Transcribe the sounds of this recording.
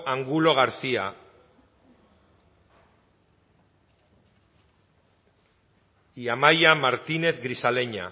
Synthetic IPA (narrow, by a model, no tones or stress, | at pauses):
ʔaŋɡulo̞ɣ̞aɾsia | iamajamaɾt̪ine̞θɡɾisale̞ɲa̰